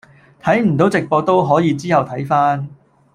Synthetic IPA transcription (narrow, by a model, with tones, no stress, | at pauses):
t̪ʰɐ˨˥jm̩˨˩t̪o˨˥wt͡sɪ˨k̚pɔː˧t̪o˥wɦɔː˨˥jiː˨˧t͡siː˥hɐ˨wt̪ʰɐ˨˥jfaː˥n